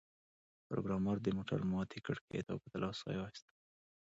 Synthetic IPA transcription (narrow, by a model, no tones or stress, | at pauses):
pɾo̰ɡɾɑmɑɾd̪əmoʈa̰ɾmɑt̪ʰikəɽket̪ɑ̰pət̪alʔɑsɑ̰jwɑst̪a